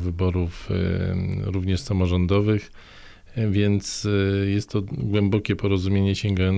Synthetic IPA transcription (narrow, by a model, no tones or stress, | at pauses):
vɘbɔɾuf | ɾuvɲɛʂsamɔʐɔnd̪ɔvɘx | vʲjɛnt̪sjɛst̪ːɔɡwɛmbɔkʲɛpɔɾɔzumʲjeɲɛɕɛŋɡajɔn